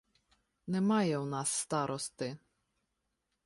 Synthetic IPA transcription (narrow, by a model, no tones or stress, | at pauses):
nɛmɑjɛwnɑsːt̪ɑɾʔɔst̪ɪ